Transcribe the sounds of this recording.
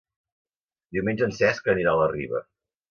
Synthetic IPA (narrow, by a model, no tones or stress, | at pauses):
d̪iwmẽnd͡ʒənsɛskəniɾaləriβə̰